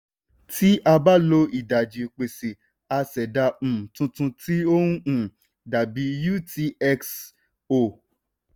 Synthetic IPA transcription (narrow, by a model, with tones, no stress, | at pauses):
ti˦ʔa˧ba˦lo˧i˨da˨d͡ʒi˨k͡pe˨se˨ | a˧sɛ˨da˧m̩̃˨tũ˧tũ˧ti˦o˦nũ˦ũ˨ | da˨bi˨˦ju˦ti˧˦ɛ˧ks | o˨